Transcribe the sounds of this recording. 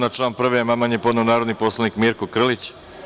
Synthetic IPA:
nat͡ʃlˠaːnpr̩ʋejemamaɲepod̪neunaːɾod̪niposlˠanikmiːɾkokr̩lit͡ɕ

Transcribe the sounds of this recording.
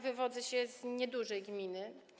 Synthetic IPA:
vɘvɔd̪zɘɕɛzɲɛd̪uʐɛjɡmʲinɘ

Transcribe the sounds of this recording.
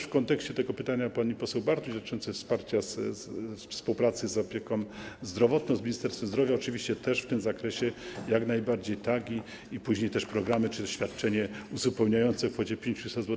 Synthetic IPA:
fkɔnt̪ɛkɕt͡ɕɛt̪ɛɡɔpɘt̪aɲapaipɔsɛwbaɾt̪ud͡ʑ̪at͡ʂɔnt̪sɛfspaɾt͡ɕas | spuwpɾat̪sɘzɔpʲjeɛkɔ̃mzd̪ɾɔvɔt̪nɔ̃w̃zmʲiɲist̪ɛɾst̪fɛmzd̪ɾɔvʲjaɔt͡ʂɘvʲiɕt͡ɕɛt̪ɛʂft̪ɘmzakɾɛɕɛjaɡnajbaɾd͡ʑejt̪aɡʲi | ipuʑɲejt̪ɛʂpɾɔɡɾamɘt͡ʂɘt̪ɕfʲjat̪̚t͡ʂɛɲɛuzupɛwɲajɔnt̪sɛfxɔd͡ʑɛpʲjeɲt͡ɕusɛzwɔ

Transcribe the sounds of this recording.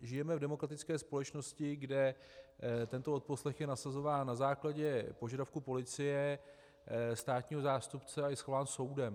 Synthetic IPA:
ʒɪjɛmɛvdɛmo̞kɾat̪ɪt͡skɛːspo̞lɛt͡ʃno̞scɪɡdɛ | t̪ɛnt̪oot̪̚po̞slɛxjɛnasazo̞vaːnːazaːklaɟɛpo̞ʒadafkupo̞lɪt͡sɪjɛ | st̪aːt̪ɲiːɦo̞zaːst̪upt͡sɛajɛsxovaːnso̞wdɛm

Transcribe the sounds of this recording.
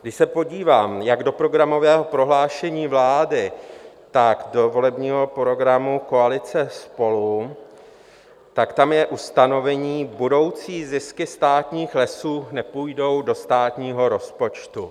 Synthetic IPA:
ɡdɪʃsɛpo̞ɟiːvaːmjaɡdo̞pɾo̞ɡɾamo̞vɛːɦo̞pɾo̞ɦlaːʃɛɲiːvlaːdɪ | t̪aɡdo̞vo̞lɛbɲiːɦo̞pɾo̞ɡɾamuko̞alɪt͡sɛspo̞lu | t̪akt̪amjɛʔust̪ano̞vɛɲiːbudo̞wt͡siːzɪskɪst̪aːt̪ɲiːxlɛsuːnɛpuːjdo̞wdo̞st̪aːt̪ɲiːɦo̞ɾo̞spo̞t͡ʃt̪u

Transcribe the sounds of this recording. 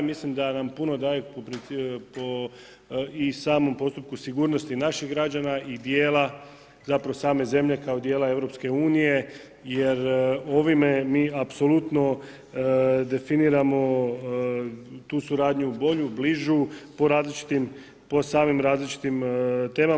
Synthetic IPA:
mislimd̪anampuno̞d̪aːjepopɾinpo | isaːmo̞mpo̞st̪up̚kusiɡuːɾnost̪inaʃiɣɡɾad͡ʒanaid̪je̞ːla | zapɾaʋosaːme̞ze̞mʎe̞kaod̪jeːlae̞ʋɾo̞pske̞uːnije̞ | je̞ɾo̞ʋime̞miːapso̞lut̪no̞ | d̪e̞finiːɾamo̞ | t̪uːsuɾaːd̪ɲuːbo̞ʎubliʒupo̞ɾaːzlit͡ʃi̥t̪im | po̞saːmimɾaːzlit͡ʃi̥t̪imt̪e̞ːma

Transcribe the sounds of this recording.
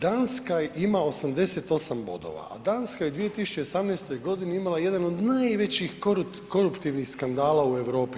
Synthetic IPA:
d̪anskajimao̞samd̪e̞se̞t̪o̞sambo̞̰d̪o̞̰ʋa̰a̰d̪anskajeud̪ʋije̞t̪isu̥t͡ɕeosamnest̪o̞jɡo̞d̪iniimalˠaje̞d̪ano̞d̪najʋe̞t͡ɕixkoɾu | ko̞ɾupt̪iʋnixskand̪aːlˠaue̞ʋɾo̞ːpi

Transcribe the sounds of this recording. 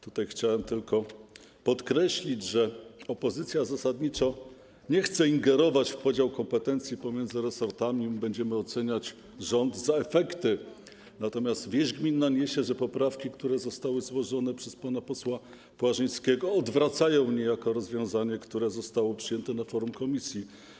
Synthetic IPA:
t̪ut̪ajxt͡ɕawɛmt̪ɘlkɔ | pɔt̪kɾɛɕlʲid͡ʑʐɛɔpɔzɘt̪sʲjazasad̪ɲit͡ʂa | ɲɛxt̪sɛiŋɡɛɾɔvat͡ɕfpɔd͡ʑawkɔmpɛt̪ɛnt̪sʲjipɔmʲjɛnd̪zɘɾɛsɔɾt̪amʲibɛɲd͡ʑɛmɘɔt̪sɛɲat͡ɕ | ʐɔnd̪zaɛfɛkt̪ɘ | nat̪ɔmʲjast̪vʲjɛʐɡmʲinːaɲɛɕɛʐɛpɔpɾafkʲikt̪uɾɛzɔst̪awɘzwɔʐɔnɛpʂɛspanapɔswa | pwaʐɘj̃skʲɛɡɔːd̪vɾat̪sajɔ̃w̃ɲɛjakɔɾɔzvʲjɔ̃w̃zaɲɛkt̪uɾɛzɔst̪awɔpʂɨjɛnt̪ɛnafɔɾumkɔmʲisʲji

